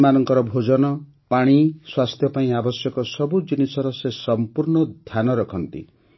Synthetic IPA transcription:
manɔŋkɔɾɔbʱod͡ʒɔnɔ | paɽ̃iswast̪ʰjɔpaĩabɔsjɔkɔsɔbud͡ʒinisɔɾɔsesɔmpuɾɳɔd̪ʱjanɔɾɔkʰɔnt̪ḭ

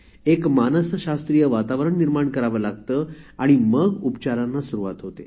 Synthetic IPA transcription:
ekmanəsɕast̪ɾijəʋat̪aʋɾəɳniɾmaɳkəɾaʋəːlaɡt̪əːaɽ̃iməɡupt͡ɕaɾanːasuɾuʋa̰t̪ɦot̪ḛ

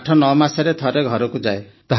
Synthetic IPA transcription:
ʈʰɔnɔmasaɾet̪ʰɔɾeɡʱɔɾɔkud͡ʒae | t̪ɔɦ

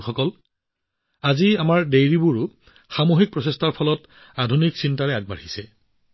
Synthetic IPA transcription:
xɔkɔl | aziamaɹdejɹibuɹʊ | xamoɦik̚pɹɔsestaɹpʰɔlɔt | adʱuniksintaɹɛaɡ̚baɹisɛ

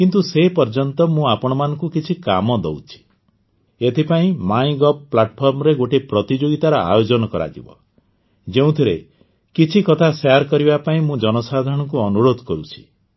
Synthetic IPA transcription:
kint̪̬usepɔɾd͡ʒɔnt̪ɔmũapɔɽ̃ɔmanɔ̃ŋkukit͡ʃʰikamɔd̪ɔwt͡ʃʰi̥ | et̪ʰipaĩmaĩɡɔpːlaʈpʰɔɾmɔɾeɡoʈepɾɔt̪id͡ʒoɡit̪aɾɔa̰jod͡ʒɔnɔkɔɾa̰d͡ʒḭbɔ̰ | d͡ʒeũt̪ʰiɾe | kit͡ʃʰikɔt̪ʰaseaɾkɔɾibapaĩmũd͡ʒɔnɔsad̪ʱɔɽ̃ɔŋkuɔnuɾod̪ʱɔkɔɾut͡ʃʰi̥

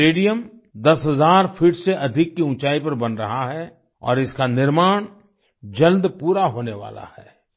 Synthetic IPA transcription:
eːɖijəm | d̪ɐsɦɐzaːɾfʰɪʈseʔɐd̪ʱɪkːiʊ̃ːt͡ʃaːipɐɾbɐnɾɐɦaɦɛ | ɔ̰ːɾɪskanɪɾmaːɽ̃ | d͡ʒɐld̪puːɾaɦoːneʋa̰ːla̰hɛ̰ː

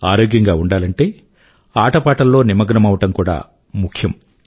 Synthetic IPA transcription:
aːɾo̞ːɡjɐŋɡaːuɳɖaːlɐɳʈe̞ː | aːʈɐpaːʈɐlːo̞ːnimɐɡɾɐmɐʋɐʈɐmkuːɽa̰ː | mukʰjɐm

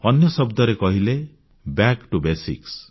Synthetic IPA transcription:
ɔnjɔsɔbd̪ɔɾekɔɦile | bjakʈubesḭks

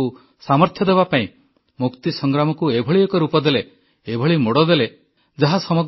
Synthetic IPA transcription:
u | samɔɾt̪ʰjɔd̪ebapaĩ | mukt̪isɔŋɡɾamɔkuebʱɔɭiekɔɾupɔd̪ele | ebʱɔɭimoɽɔd̪ele | d͡ʒaɦasɔmɔɡ

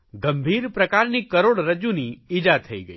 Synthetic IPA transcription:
ɡɐ̃mbʱiːɾpɾɐkaːɾnikɐɾoːɽɾɐd͡ʒũniɪd͡ʒaːt̪ʰɐḭɡə̰i

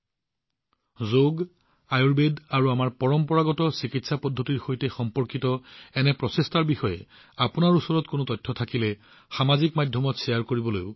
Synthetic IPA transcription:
zoɡ | ajuɹbedaɹuamaɹpɔɹɔmpɔɹaɡɔtɔsikitsapɔdʱːotiɹxojtɛxɔmpɔɹkitɔɛnɛpɹɔsestaɹbixɔjɛ̰ | apʊnaɹusɔɹɔtkonotɔtʰːɔtʰakilɛ | xamazikmadʱjɔmɔtsɛjaɹkoɹibɔlojʊ

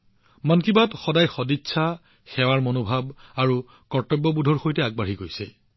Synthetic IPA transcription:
mankibatxɔdajxɔditːsʰa | xɛwaɹmonobʱabaɹu | kɔɹtɔbːɔbudʱɔɹxojtɛaɡ̚baɹikojsɛ̰

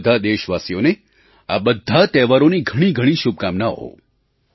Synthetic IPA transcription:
d̪ʱad̪eʃʋasijone | a̰bəd̪ʱat̪ɛʋaɾoniɡʱəɽ̃iɡʱəɽ̃iʃub̚kamnaɦo̰

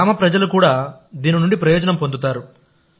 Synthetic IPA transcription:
aːmɐpɾɐd͡ʒɐlukuːɽaːd̪iːninuɳɖipɾɐjɔːd͡ʒɐnɐmpo̞nd̪ut̪aːɾu

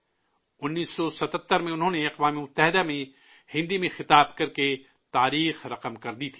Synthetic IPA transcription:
ʊnːiːsːɔsɐt̪ət̪ːəɾmẽʊnɦõneɐqʋaːmemʊt̪ːəɦɪd̪amẽ | hɪ̃nd̪imẽxɪt̪aːbkɐɾke | t̪aːɾiːxɾɐqəmkɐɾd̪it̪ʰi̥ː

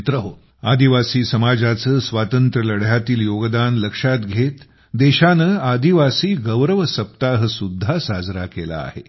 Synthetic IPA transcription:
t̪ɾəɦo | a̰d̪iʋasiːsəmad͡zat͡səːsʋat̪ənt̪ɾələɽ̤jat̪iːljoɡd̪anləkʂat̪ɡʱet̪ | d̪eɕanəːad̪iʋasiːɡəʋɾəʋəsəp̚t̪aɦəsud̪ʱːasad͡zɾakela̰ːhḛ

